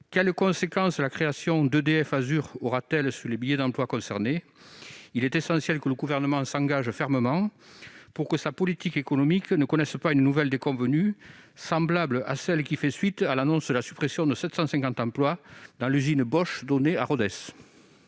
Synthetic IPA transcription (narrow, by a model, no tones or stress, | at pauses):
kɛlkɔ̃sekɑ̃slakχeasjɔ̃d̪əd̪eɛfazyʁɔʁat̪ɛlsyʁlebiljed̪ɑ̃plwakɔ̃sɛʁne | ilɛt̪esɑ̃sjɛlkələɡuvɛʁnəmɑ̃sɑ̃ŋɡaʒfɛʁməmɑ̃ | puʁkəsapɔlit̪ikekɔnɔmiknəkɔnɛspaynənuvɛld̪ekɔ̃vənysɑ̃blabləa̰sɛlkʲifɛsɥit̪alanɔ̃sd̪əlasy̥pχesjɔ̃d̪əsɛt̪sɑ̃sɛ̃ŋkɑ̃nt̪ɑ̃plwad̪ɑ̃lyzinbɔʃd̪ɔneaʁɔd̪ɛs